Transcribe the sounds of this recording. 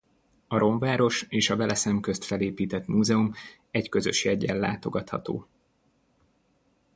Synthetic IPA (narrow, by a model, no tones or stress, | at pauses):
ɒɾo̞ɱvaːɾo̞ʃeːʃɒvɛlɛsɛmkøst̪fɛleːpiːt̪ɛt̪muːzɛum | ɛckø̞zø̞̰ʃjɛɟːɛlːa̰ːt̪o̞ɡɒt̪hɒ̰t̪o̰ː